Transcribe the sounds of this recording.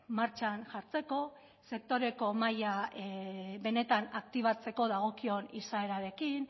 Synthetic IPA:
maɾt͡ʃanʝaɾt͡se̞ko̞ | se̞k̚t̪o̞ɾe̞ko̞maja | βe̞ne̞t̪anak̚t̪iβ̞at͡se̞ko̞ðaɣ̞o̞kio̞nisae̞ɾaɾe̞kin

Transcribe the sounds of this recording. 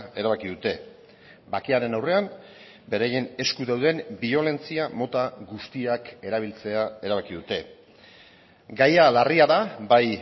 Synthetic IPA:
eɾaβ̞akiðut̪e̞ | bakeaɾe̞nawre̞am | be̞ɾaje̞ne̞skuðawðe̞mbio̞le̞nt͡siamo̞t̪aɣust̪iake̞ɾaβilt͡se̞ae̞ɾaβ̞akiðut̪e̞ | ɡajalariaðabaj

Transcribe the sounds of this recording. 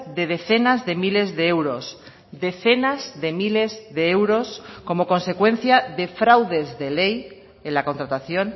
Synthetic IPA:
ðe̞ð̞e̞θe̞nazðe̞mile̞zðeewɾos | ðe̞θe̞nazðe̞mile̞zðeewɾosko̞mo̞kõ̞nse̞kwẽ̞n̟θjaðe̞fɾawðe̞zðe̞lej | enlako̞nt̪ɾat̪aθjo̞n

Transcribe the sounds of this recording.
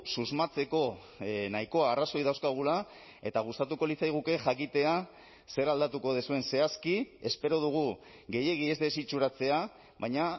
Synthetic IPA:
suzmat͡se̞ko̞ | naiko̞aːraso̞jðawskaɣ̞ula | e̞t̪aɣust̪at̪uko̞lit͡sajɣ̞uke̞ʝakit̪e̞a | se̞ɾald̪at̪uko̞ð̞esue̞nse̞askiespe̞ɾo̞ð̞uɣ̞u | ɣe̞je̞ɣ̞ie̞zðe̞sit͡ʃuɾat͡se̞a | βaɲa

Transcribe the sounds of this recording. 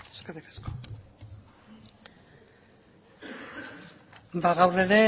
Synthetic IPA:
eskaɾikḁsko̥ | baɣawre̞ɾe̞

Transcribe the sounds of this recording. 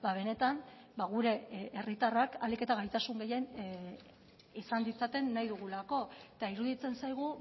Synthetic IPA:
baβ̞e̞ne̞t̪an | baɣ̞uɾe̞ːrit̪arakalike̞t̪aɣajt̪asuŋɡe̞je̞n | isand̪it͡sat̪e̞nːaijðuɣ̞ulako̞t̪aiɾuðit͡se̞nsajɣ̞u

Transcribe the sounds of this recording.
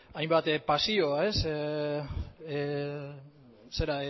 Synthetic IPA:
ajmbat̪pasioae̞s | seɾae

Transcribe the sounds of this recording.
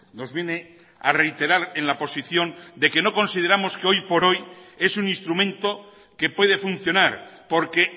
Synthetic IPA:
no̞zβje̞ne̞ | are̞jt̪e̞ɾaɾe̞nlapo̞siθjo̞nd̪e̞ke̞noko̞nsið̞e̞ɾamo̞skeo̞jpo̞ɾo̞je̞suninst̪ɾumẽ̞nt̪o̞ | ke̞pwe̞ð̞e̞funθjo̞naɾpo̞ɾke̞

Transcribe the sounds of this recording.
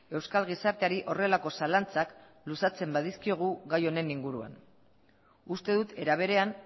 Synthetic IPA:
e̞wskalɣ̞isaɾt̪e̞aɾiʔo̞re̞lako̞salant͡sak | lusat͡se̞mbaðiskio̞ɣ̞uɣajo̞ne̞niŋɡuɾua̰n | ust̪e̞ðut̪e̞ɾaβ̞e̞ɾe̞an

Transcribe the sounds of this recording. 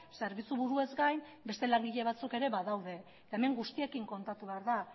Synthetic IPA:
se̞ɾβit͡suβuɾue̞zɡajm | be̞st̪e̞laŋɡiʎe̞βat͡suke̞ɾe̞βaðawðe̞ | t̪ae̞me̞ŋɡust̪ie̞kiŋko̞nt̪at̪uβe̞aɾða

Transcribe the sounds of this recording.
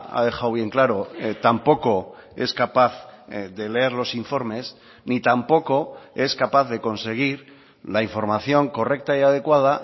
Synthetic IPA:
a̰ðe̞xawβ̞je̞ŋklaɾo̞t̪ampo̞ko̞e̞skapaθðe̞leeɾlo̞siɱfo̞ɾme̞s | nit̪ampo̞ko̞e̞skapaθðe̞ko̞nse̞ɣ̞iɾ | laiɱfo̞ɾmaθjo̞ŋko̞re̞k̚t̪aiað̞e̞kwað̞a

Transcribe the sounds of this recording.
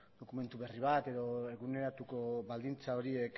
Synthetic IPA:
d̪o̞kume̞nt̪uβe̞riβat̪e̞ðo̞e̞ɣune̞ɾat̪uko̞βald̪int͡sao̞ɾiek

